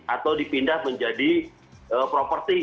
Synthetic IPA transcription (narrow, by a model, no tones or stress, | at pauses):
at̪awdipindahməɲd͡ʒadi | əpɾopərt̪i